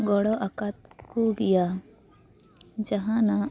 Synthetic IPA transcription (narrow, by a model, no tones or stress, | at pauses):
ɡɔɽɔʔakat̪̚koɡija | d͡ʒaɦãna